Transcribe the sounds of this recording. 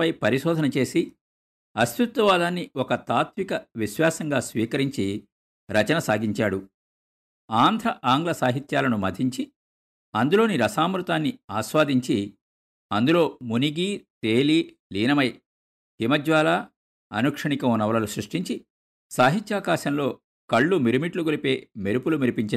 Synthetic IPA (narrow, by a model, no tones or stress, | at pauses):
ɐjpɐɾiʃɔːd̪ʱɐnɐt͡ʃe̞ːsi | ɐst̪ut̪ːɐʋaːd̪aːnːiɔkɐt̪aːt̪mikɐʋiʃʋaːsɐŋɡaːsʋiːkɐɾiɲt͡ʃi | ɾɐt͡ʃɐnɐsaːɡiɲt͡ʃaːɽu | aːnd̪ʱɾɐʔaːŋɡlɐsaːɦit̪jaːlɐnumɐd̪ʱiɲt͡ʃi | ɐnd̪ulo̞ːniɾɐsaːmɾut̪aːnːiaːsʋaːd̪iɲt͡ʃi | ɐnd̪ulo̞ːmuniɡiːt̪eːli | liːnɐmɐj | himɐd͡ʒʋaːlɐ | ɐnukʂɐɳikɐmunɐʋɐlɐlusɾuʂʈiɲt͡ʃi | saːɦit̪jaːkaːʃɐmlo̞ː | kɐɭːumiɾumiʈluɡulipe̞ːmeɾupulumiɾipiɲt͡ʃi